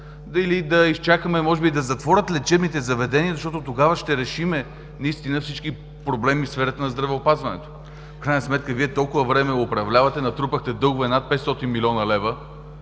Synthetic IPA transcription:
d̪ilid̪ɐist͡ʃakəmɛmɔʒɛbid̪ɐzɐt̪vɔɾʲət̪lɛt͡ʃɛbnit̪ɛzɐvɛd̪ɛniəzɐʃt̪ɔt̪ot̪oɡavəʃt̪ɛɾɛʃimɛ | nɐist̪inəfsit͡ʃki | pɾoblɛmifsfɛɾət̪ənɐzd̪ɾɐvɛopazvɐnɛ̰t̪o̥ | fkɾajnəsmɛt̪̚kəviɛt̪ɔlˠkʊvəvɾɛmɛʊpɾɐvlʲavɐt̪ɛnɐt̪ɾupəxt̪ɛd̪ɤlˠɡvɛnat̪̚pɛt̪st̪ɔt̪inmilʲɔnəlɛvə

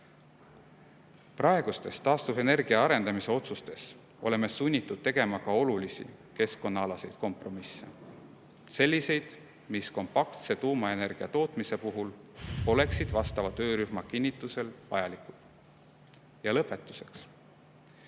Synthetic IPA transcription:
prɑe̞ɡ̥ust̪e̞st̪ɑːst̪uve̞ne̞rɡ̥iɑɑɾe̞nd̪̥ɑmise̞o̞t̪sust̪e̞s | o̞̰le̞me̞sunʲːit̪ːˑud̪̥̚t̪e̞ɡ̥e̞mɑkɑo̞lulisḭke̞sko̞nːɑɑlɑse̞jd̪̥ko̞mpro̞misːe | se̞lʲːise̞jd̪̥ | misko̞mpɑkt̪se̞t̪uːmɑe̞ne̞rɡ̥iɑt̪o̞ːt̪mise̞puɦulo̞le̞ksid̪vɑst̪ɑvɑt̪ø̞ːɾyɦmɑkinʲːit̪ːˑuse̞lvɑjɑlikːˑu̥ | jɑlɤpːˑe̞t̪ːˑu̥se̞ks

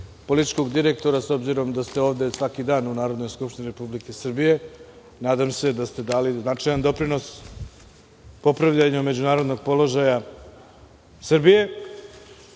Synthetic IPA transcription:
po̞lit̪i̥t͡ʃko̞ɡd̪iɾe̞k̚t̪o̞ɾaso̞bziɾo̞md̪ast̪eo̞ːvd̪e̞sʋakid̪aːnunaːɾod̪no̞jskupʃt̪iniɾe̞publike̞sr̩bije̞ | naːd̪amse̞d̪ast̪e̞d̪aːliznat͡ʂajand̪o̞pɾino̞s | po̞pɾaʋʎaɲame̞d͡ʑunaːɾod̪no̞ɡ̚po̞lo̞ʒaja | srbije̞

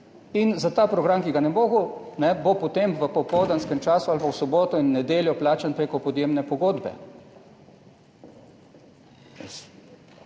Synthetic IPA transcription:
inzat̪aːpɾɔɡɾamkiɡanɛboːɡonɛbopot̪emʋəpɔpɔwd̪anskɛmt͡ʃaːsualpakwsɔboːt̪ɔinːɛd̪eːljɔplaːt͡ʃanpɾeːkɔpɔd̪jeːmnɛpɔɡoːd̪bɛ̰ | ɛ̰s

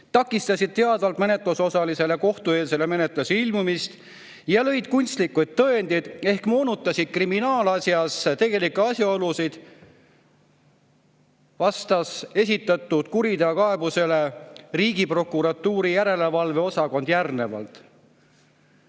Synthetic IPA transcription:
t̪ɑkːˑist̪ɑsʲid̪̥̚t̪e̞ɑd̪ɑlt̪mene̞t̪ˑluso̞sɑlise̞le̞ko̞ht̪ue̞ːlse̞le̞me̞net̪ˑluseilmumist̪ | jɑlɤ̞jd̪̥̚kunʲst̪likːˑujd̪̚t̪ːɤe̞nd̪̥id̪̥e̞hkmo̞ːnut̪ːˑɑsid̪̥̚kriminɑːlɑsjɑst̪e̞ɡ̥e̞likːuɑsjɑo̞lusid̪̥ | vɑst̪ɑse̞sʲit̪ːˑɑt̪ːˑud̪̥kuɾid̪eɑkɑe̞buse̞le̞riːɡ̥ipro̞kːˑuɾɑt̪ːuːɾijæɾe̞le̞vɑlve̞o̞sɑko̞nd̪̥jærne̞vɑ̰lt̪ˑ

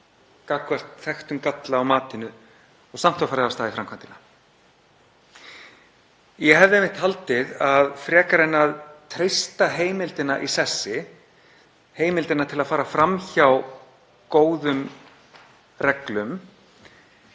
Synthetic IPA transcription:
kakvɛr̥t̪θɛxt̪ʏmkat̪laːwmaːt̪ɪnʏ | ɔsam̥t̪awfaːɾɪast̪aːðifɾamkʰant̪ɪna | jɛɦɛvðɪɛjmɪht̪halt̪ɪðaðfɾɛːkaɾɛnːaðt̪ʰɾejst̪aɦeːjmɪlt̪ɪnaʔisɛsːɪ | heːjmɪlt̪ɪnat̪ʰɪlaðfaːɾafɾamçaw | koːwðʏm | rɛklʏm

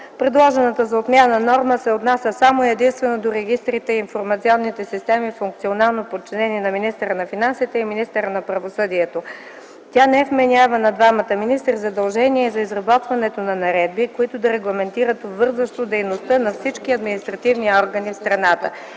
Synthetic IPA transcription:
pɾɛd̪lˠɔʒɛnət̪əzɐot̪mʲjanənɔɾməsɛot̪nasʲəsamoɛd̪inst̪vɛnod̪oɾɛɡist̪ɾit̪ɛinfoɾmɐt̪siɔnːit̪ɛsist̪ɛmifuŋk̚t̪sionalˠnopot̚t͡ʃːinɛniɛnɐminist̪əɾənɐfinansit̪ɛiminist̪əɾənɐpɾɐvosɤd̪iɛt̪o | t̪ʲanɛɛfmɛnʲavənɐd̪vamət̪əminist̪ɾizɐd̪ɐlˠʒɛniɛzɐizɾɐbɔt̪vɐnɛt̪onɐnɐɾɛd̪̚bikoit̪ʊd̪ɐɾɛɡlˠɐmɛnt̪iɾət̪ovɤɾzvəʃt̪od̪ɛjnost̪ənɐfsit͡ʃkiɐd̪minist̪ɾɐt̪ivniɔɾɡənifst̪ɾɐnat̪ə̰

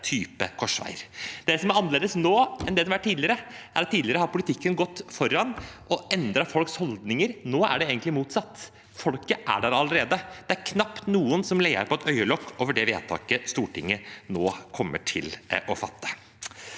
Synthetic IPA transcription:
t̪ʰyːpəkʰɔʂʋæ̰ɪɾd̪ɛsɔmæɾɑnːəleːd̪əsnoːɛnd̪ɛd̪ɛʋæʈʰːiːd̪lɪəɾəʔæɾɑt̪ːiːd̪lɪəɾəhɑɾpʊlɪt̪ʰɪkːənɡɔt̪ːfɔɾːɑnʔɔɛnd̪ɾɑfɔlkshɔld̪nɪŋəɾnoːæ̰ɖɛeːɡənt̪lɪmuːt̪sɑt̪ː | fɔlkəʔæ̰ɖæɾɑləɾeːd̪əd̪̥ɛæɾkʰnɑpt̪nuːənsɔmleɪə̰ɾpʰɔɛt̪œʏəlɔkʰːoːʋəɖɛʋḛːt̪ʰɑ̰ːkəst̪uːʈɪ̰ŋːənoːkʰɔmːəʈʰɪlʔɔfɑt̪ːə̥

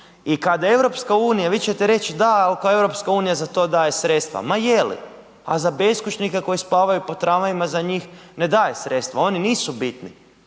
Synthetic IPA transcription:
ikad̪ae̞ʋɾo̞pskauːnijaʋit͡ɕe̞t̪eɾe̞t͡ʃd̪aalkae̞ʋɾo̞pskauːnijazat̪o̞d̪aːje̞sɾet̪st̪ʋa̰majelḭ | a̰zabeskut͡ʃnikeko̞jispaːʋajupo̞t̪ɾamaʋimazaɲiːxned̪aːje̞sɾet̪st̪ʋao̞niniːsubit̪nḭ

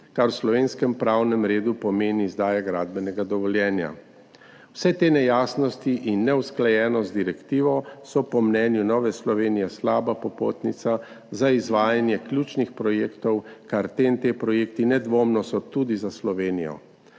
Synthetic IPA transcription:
kaɾwslɔʋenskɛmpɾaːwnɛmɾeːd̪upɔmeːniːzd̪aːjaɡɾaːd̪bɛnɛɡad̪ɔʋɔljɛːnja̰ | wsɛt̪eːnɛjaːsnɔst̪iʔinːɛwsklajɛːnɔsd̪iɾɛkt̪iːʋɔsɔpɔmnɛːnjunɔːʋɛslɔʋeːnijɛslaːbapɔpo̰ːt̪nit̪sa | zaizʋaːjanjɛklʲjut͡ʃnixpɾɔjeːkt̪ɔwkaɾt̪eːnt̪eːpɾɔjeːkt̪inɛd̪ʋoːmnɔsɔt̪ud̪izaslɔʋeːnijɔ̰

